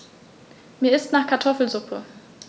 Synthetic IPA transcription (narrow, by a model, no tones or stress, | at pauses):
miːɐɪstnaːχkʰaɐtʰɔfl̩zʊpʰə